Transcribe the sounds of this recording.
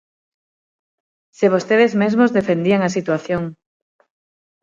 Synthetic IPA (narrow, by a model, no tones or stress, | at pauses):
seβ̞ost̪eðezmezmozðefend̪iaŋasit̪waθjoŋ